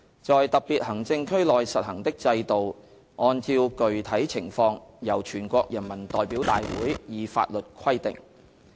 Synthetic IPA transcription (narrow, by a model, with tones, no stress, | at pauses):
t͡sɔː˨jt̪ɐ˨k̚piː˨t̚hɐ˨˩ŋt͡sɪ˧ŋkʰɵ˥lɔː˨jsɐ˨t̚hɐ˨˩ŋt̪ɪ˥k̚t͡sɐ˧jt̪o˨w | ʔɔː˧nt͡siː˧wkɵ˨ɥt̪ʰɐ˨˥jt͡sʰɪ˨˩ŋfɔː˧ŋjɐ˨˩wt͡ʃʰyː˨˩nkʷɔː˧k̚jɐ˨˩nmɐ˨˩nt̪ɔː˨jpiː˨˥wt̪a̰ː˨jwuː˨˥jjiː˨˧fa̰ː˧t̚lɵ˨t̚kʰɐ˥jt̪ɪ̰˨ŋ